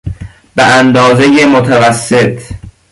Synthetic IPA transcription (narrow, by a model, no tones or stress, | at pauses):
beʔænd̪ɒːzejemot̪ʰævæsːet̪ʰ